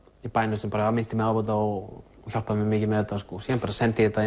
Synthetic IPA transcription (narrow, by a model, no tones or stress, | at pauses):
ipajnʏsɛmpaɾamɪnt̪ɪmɛðapɔt̪̬aɔ | çal̥paðmɛmɪːcɪlmɛðɛt̪ːaskɔːsjɛɛnpaɾasɛnt̪ɪɛt̪a